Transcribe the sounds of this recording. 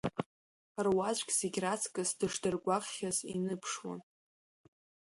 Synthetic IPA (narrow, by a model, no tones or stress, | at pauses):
arwat͡ɕʷɡʲz̥eɡʲrat͡sʰkʼɨsdɨʂdɨrɡʷaqχʲazinɨpʰʂwa̰n